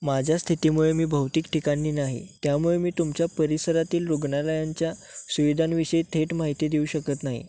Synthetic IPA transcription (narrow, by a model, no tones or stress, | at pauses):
mad͡ʑʱjast̪ʰit̪imuɭemiːbʱəwt̪iːkʈʰikaniːnaɦḭt̪jamuɭemiːt̪umt͡ɕjapəɾisəɾat̪iːlɾoɡɳaləjaɲt͡ɕjasuʋid̪ʱanʋiɕəjt̪ʰeʈmaɦit̪id̪euːɕəkət̪naɦḭ